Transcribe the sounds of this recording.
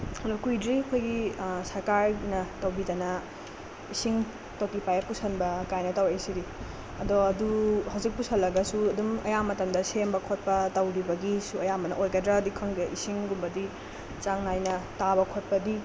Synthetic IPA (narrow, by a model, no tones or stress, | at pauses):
ɐdɔkujdɾiɐkʰojɡisɐɾkaɾnɐtɐwbidɐnɐ | isiŋ | tokipajapusɐnbɐkajnɐtɐwejsiɾi | ɐdɔɐduhɐwzik̚pusʰɐlːɐɡɐsuɐdumɐ̰jamɐtɐmdɐsembɐkʰot̚pɐtɐwɾibɐɡisuɐjamɐnɐ̰ʔojɡɐdɾadikʰonɡiisiŋɡumbɐdi | t͡ʃaŋnajnɐtaβɐkʰot̚pɐdi